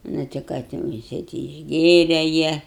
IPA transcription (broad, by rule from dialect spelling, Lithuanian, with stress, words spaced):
ˈnʊ tʲɪ ˈkɑː tʲɛn jɪˈsɐɪ ˈtʲɪ ɪʒʲˈɡʲeːrʲɛ ˈjiɛ